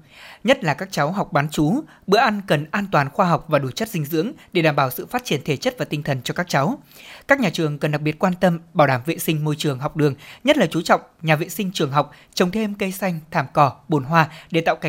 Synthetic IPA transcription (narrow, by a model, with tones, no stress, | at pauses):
ɲə˦˥t̚laː˨˩kaː˦˥k̚t͡ɕa˨˦wɦa˨˩wk͡p̚ɓaː˨˦nt͡ɕu˨˦ | ɓɨ̰˧˥əʔa˧nkə˨˩nʔaː˧nt̪waː˨˩nxwaː˧ɦa˨˩wk͡p̚vaː˨˩ɗu˧˩t͡ɕə˦˥t̚zï˧ŋ̟zɨ̰˧˥əŋɗe˧˩ɗaː˧˩mɓaː˧˩wsɨ̰˧˨faː˦˥t̚t͡ɕi˧˩ənt̪ʰe˧˩t͡ɕə˦˥t̚vaː˨˩t̪ï˧ŋ̟t̪ʰə˨˩nt͡ɕɔ˧kaː˦˥k̚t͡ɕa˨˦wkaː˦˥k̚ɲaː˨˩t͡ɕɨ˨˩əŋkə˨˩nɗa˨˩k̚ɓi˨˩ət̚kwaː˧nt̪ə˧mɓaː˧˩wɗaː˧˩mvḛ˧˨sï˧ŋ̟mo˧jt͡ɕɨ˨˩əŋɦa˨˩wk͡p̚ɗɨ˨˩əŋɲə˦˥t̚laː˨˩t͡ɕu˨˦t͡ɕɔ̰˧˨wŋ͡mɲaː˨˩vḛ˧˨sï˧ŋ̟t͡ɕɨ˨˩əŋɦa˨˩wk͡p̚ | t͡ɕə˨˩wŋ͡mt̪ʰe˧mkə˧jsa˧jŋ̟t̪ʰaː˧˩mkɔ˧˩ɓo˨˧˩nɦwaː˧ɗe˧˩t̪a̰ː˧˨wka˧˨˩